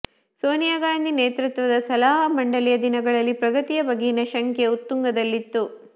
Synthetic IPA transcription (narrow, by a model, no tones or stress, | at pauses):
soːnijaːɡaːjnd̪ineːt̪ɾut̪ʋɐd̪ɐsɐlaːɦɐmɐɳɖɐlijɐd̪inɐɡɐɭɐlːipɾɐɡɐt̪ijɐbɐɡejinɐʃɐŋkʰjeut̪ːuŋɡɐd̪ɐlːit̪ːu